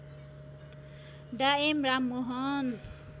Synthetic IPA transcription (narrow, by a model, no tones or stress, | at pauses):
ɖaemɾamːoɦʌn